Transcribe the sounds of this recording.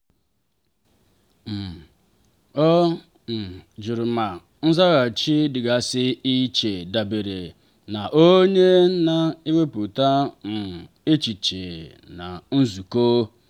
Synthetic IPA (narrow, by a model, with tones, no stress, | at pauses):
m̩˨ | ɔ˦ | n̩˨d͡ʒu˨ɾʊ˨ma˨ | n̩˦za˦ɣa˨t͡ʃi˦dɪ˨ɡa˨sɪ˦i˦t͡ʃe˨da˨be˨ɾe˨ | na˨ʔo˦ɲe˦na˨i˦we˦pu˨ta˦n̩˨ | e˦t͡ʃi˨t͡ʃe˨ | na˨n̩˦zu˨koː˦